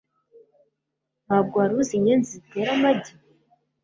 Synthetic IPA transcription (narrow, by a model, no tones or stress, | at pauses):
mab̚ɡwaɾuziɲenziteɾamadi